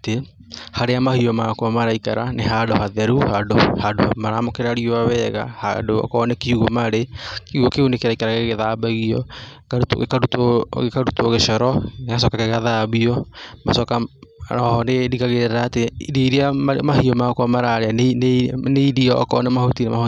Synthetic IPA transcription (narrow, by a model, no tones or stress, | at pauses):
te | haɾeamahiɔmakwamaɾaika̰ɾa̰neɦadohaðɛɾuhadohado̰maɾamokeɾaɾioaβɛɣa̰ha̰doɔ̰kɔnekiuɣomaɾekiuɣokeunekeɾaikaɾaɣeɣeðabaɣiɔ | kautɣekaɾutoɣekaɾutoɣeʃɔɾɔnekas̬ɔkakeɣaðaβiɔmasɔkaɔhɔnedikaɣeɾeɾaːteɾeiɾiaamaɦiɔmakwamaɾaɾeanneiɾiɔ̰kɔnemahotinemaho